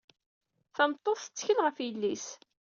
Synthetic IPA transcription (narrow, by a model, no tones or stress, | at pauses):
θəmt̪ˤːoθθə̥t͡sːçəlʁəfjəlːis